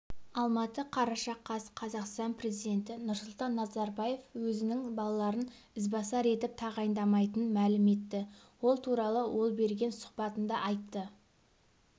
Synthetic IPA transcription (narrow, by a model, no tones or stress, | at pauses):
ɑlˠmɑt̪əqʰɑɾɑʃɑqʰːɑsqʰɑzɑqst̪ɑnpre̞zijd̪e̞nt̪ɪnʊɾsʊlˠt̪ɑnːɑzɑɾbɑje̞fwɵzɪnɪŋbɑlˠɑlˠɑɾən | ɪzbɑsɑɾe̞t̪ɪp̚t̪ʰɑʁɑjnd̪ɑmɑjt̪ənənmælɪme̞t̪ːɪ | wo̞lˠt̪ʰuɾɑlˠəwo̞lˠbe̞ɾɡʲe̞nsʊ̥qpɑt̪ənd̪ɑʔɑjt̪ːə